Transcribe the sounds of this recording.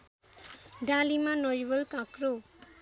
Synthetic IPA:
ɖãlimanʌjbʌlkãkɾo

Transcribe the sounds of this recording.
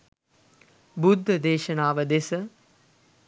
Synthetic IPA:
bud̪ʱːəd̪eːʃənaːʋəd̪esə

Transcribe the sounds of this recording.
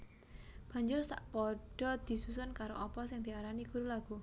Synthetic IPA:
b̥a̤ɲd͡ʒʊrsa̰ʔpɔɖ̥ɔ̤d̪̥i̤susʊnkaɾoʔɔpɔsɪŋd̪̥iaɾaniɡ̥uɾulaɡ̥u

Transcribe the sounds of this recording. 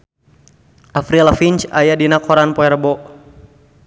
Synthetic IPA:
afɾilafint͡ʃajadinakɔɾanpɔɛrbɔ

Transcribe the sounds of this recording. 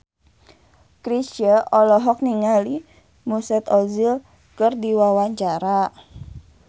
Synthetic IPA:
kɾisəʔɔlɔɦɔk̚niŋali | musɛt̪ɔzil | kərdiwawaɲt͡ʃaɾa

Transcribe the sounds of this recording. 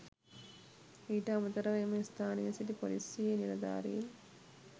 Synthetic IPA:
iːʈɐːmɐt̪ɐɾɐʋeːmɐst̪ʰaːnijɐsit̪ipo̰lisjiːenilɐd̪a̰ːɾḭn

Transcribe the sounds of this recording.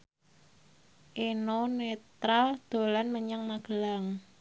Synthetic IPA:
ʔenonet̪ɾald̪̥o̤lanməɲaŋmaɡ̥əlaŋ

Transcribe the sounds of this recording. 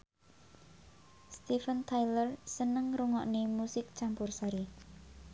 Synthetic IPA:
st̪ifənt̪ʰajlərsənəŋɾuŋɔʔnemusɪk̚t͡ʃampʊrsaɾi

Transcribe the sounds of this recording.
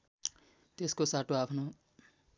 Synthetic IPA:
t̪eskosaʈoapʰno

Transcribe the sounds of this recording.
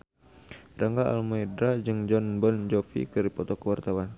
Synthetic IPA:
rʔaŋɡaa̰lmɔɛdɾad͡ʒɨŋd͡ʒɔnbɔnd͡ʒɔfḭkɨɾipɔt̪ɔkəwart̪awan

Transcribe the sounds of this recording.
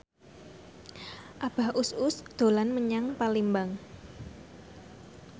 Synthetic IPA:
ʔab̥a̤hʔusʊsd̪̥o̤lanməɲaŋpalimbaŋ

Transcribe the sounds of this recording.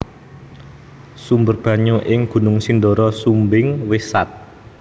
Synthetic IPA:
sumbərb̥ä̤ɲuʔɪŋɡ̥ṳnʊŋsinɖ̪ɔɾɔsumbɪŋwesat̪̚

